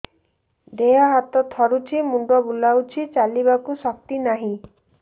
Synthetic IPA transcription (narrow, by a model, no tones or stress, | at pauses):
d̪ejɔɦat̪ɔt̪ʰɔɾut͡ʃʰimuɳɖɔbulawt͡ʃʰit͡ʃalibakusɔk̚t̪inaɦĩ